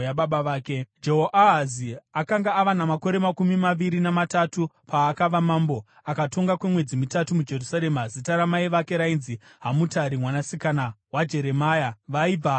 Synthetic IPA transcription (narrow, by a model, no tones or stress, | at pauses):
jaɓaɓaʋaːke̞d͡ʒe̞ɦoʔaɦaziakaŋɡaːʋanamako̞ɾe̞makumimaʋiɾinamatatupʰaːkaʋamaːmbo̞ | akato̞ŋɡakwe̞mwe̞d͡zimitatumud͡ʒe̞rusaɾe̞mazitaɾamaiʋake̞ɾainzi | ɦamutaɾimwanasikanawad͡ʒe̞ɾe̞maːjaʋaib͡va